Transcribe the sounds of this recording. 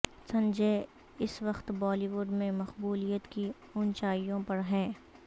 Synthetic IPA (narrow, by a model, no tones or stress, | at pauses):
sɐ̃nd͡ʒe | ɪsʋɐqt̪bɔːliːʋʊɖmẽmɐqbuːlijət̪ki | ʊnt͡ʃaːijõpɐɾɦɛː